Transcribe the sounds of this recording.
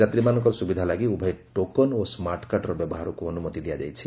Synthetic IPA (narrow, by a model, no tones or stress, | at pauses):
at̪ɾimanɔŋkɔɾɔsubid̪ʱalaɡiubʱajʈokɔnosmaɾʈkaʈɔɾɔbjɔbɔɦaɾɔkuɔnumɔt̪id̪ijad͡ʒa̰jt͡ʃʰi̥